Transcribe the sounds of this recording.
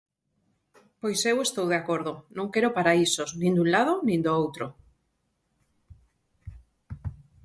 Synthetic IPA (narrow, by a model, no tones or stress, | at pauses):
pojsewest̪owð̞eakoɾðonõŋkeɾopaɾaisosnĩnd̪ũnlað̞onĩnd̪oowt̪ɾo